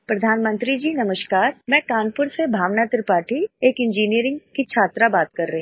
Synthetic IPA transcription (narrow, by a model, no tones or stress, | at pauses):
pɾɐd̪ʱaːnmə̃nt̪ɾid͡ʒiːnɐməʃkaːɾmɛ̃ːkaːnpʊɾsebʱaːʋnat̪ɾəpaːʈʰieːkɪ̃nd͡ʒiːnijəɾɪ̃ŋɡkit͡ʃʰaːt̪ɾabaːt̪kɐɾːɐɦẽ